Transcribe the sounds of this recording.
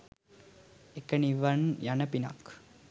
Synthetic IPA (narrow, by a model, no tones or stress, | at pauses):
ekːɐniʋɐnjɐnɐpina̰ːk